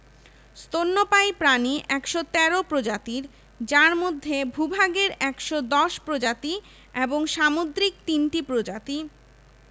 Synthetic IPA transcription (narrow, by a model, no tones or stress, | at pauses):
st̪onːopajpɾaniʔɛkʃot̪ɛɾopɾod͡ʑat̪iɾ | d͡ʑaɾmod̪ʱːebʱubʱaɡeɾɛkʃod̪ɔʃpɾod͡ʑat̪i | eboŋʃamod̪ɾik̚t̪inʈipɾod͡ʑat̪i